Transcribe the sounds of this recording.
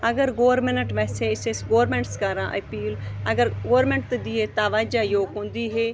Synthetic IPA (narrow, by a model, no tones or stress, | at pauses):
əɡəɾɡoːʋəɾmɪnəʈʋɛːseːɪsesɡoːɾmẽːɳʈskəɾãːʔəpiːləɡəɾɡoːɾmẽːɳʈ̚t̪d̪iːɦeːt̪aːʋaːd͡ʒaːjoːɡɦõːnd̪iːɦeː